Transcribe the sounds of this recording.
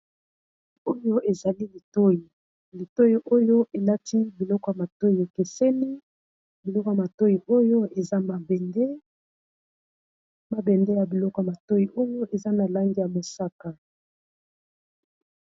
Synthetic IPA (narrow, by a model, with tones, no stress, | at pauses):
o˦jo˦ʔe˨za˨li˦li˨to˦ji˨ | li˨to˦ji˨ʔo˦jo˦ʔe˨la˦tʰi˦bi˨lɔ˦kɔ˨ja˨ma˨to˦i˨e˨ke˨sɛ˦ni˦ | bi˨lɔ˦kɔ˨ja˨ma˨to˦ji˨ʔo˦jo˦e˨za˦ma˨bɛ˨nde˦ | ma˨bɛ˨nde˦ja˨bi˨lɔ˦kɔ˨ja˨ma˨to˦ji˨ʔo˦jo˦ʔe˨za˦na˨la˦ŋɡi˦ja˨mo˨sa˦ka˨